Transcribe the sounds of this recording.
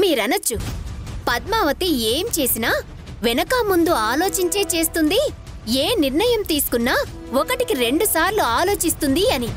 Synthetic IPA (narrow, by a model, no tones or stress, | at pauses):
miːɾɐnɐt͡ʃːupɐd̪̚maːʋɐt̪ieːmt͡ʃe̞ːsinaː | ʋɛnɐkɐmund̪uaːlo̞ːt͡ʃiɲt͡ʃe̞ːt͡ʃe̞ːst̪und̪i | eːniɾɳɐjɐmt̪iːsu̥kunːaː | ɔkɐʈikiɾe̞ɳɖusaːɾluaːlo̞ːt͡ʃist̪und̪iɐni